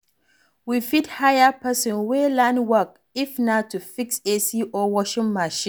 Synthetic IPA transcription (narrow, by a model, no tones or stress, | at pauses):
wifidhajapɛsɔ̃nwelãnwək̚ | ifnatʰufiksesiʔɔwɔʃĩŋmaʃĩ